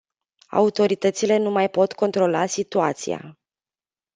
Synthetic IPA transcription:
a̰ut̪o̞ɾit̪ət̪sile̞numajpo̞t̪ko̞nt̪ɾo̞lasit̪uat̪sḭja̰

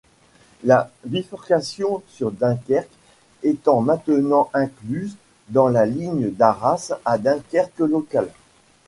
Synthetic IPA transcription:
lavifɔʁkasjɔ̃syʁd̪ɛ̃kʲɛʁk | et̪ɑ̃mɛ̃t̪ənɑ̃ʔɛ̃klyz | d̪ɑ̃laliɲəd̪aʁasad̪ɛ̃kʲɛʁkəlɔkal

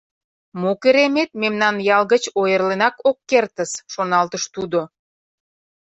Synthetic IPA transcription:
mokeɾemet̪̚memnɑnjɑlɣət͡ɕojərlenɑkokːert̪əsʃonɑlt̪əʃt̪ud̪o

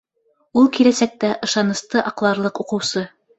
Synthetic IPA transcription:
ulˠkilæsæk̚t̪æʔɤ̆ʃɑnɤ̆st̪ɤʔɑqlˠɑɾlˠɤquqɤ̆wsɤ

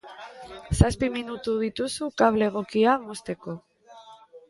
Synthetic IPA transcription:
saspiminut̪uð̞it̪usukaβ̞le̞ɣ̞o̞kiamo̞st̪e̞ko̞

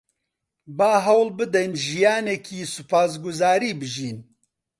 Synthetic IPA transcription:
baːɦɐwlbɨd̪ɛnʒijaːnɛkʰiːsʊpʰaːs̬ɡʊzaːɾiːbɨʒiːn

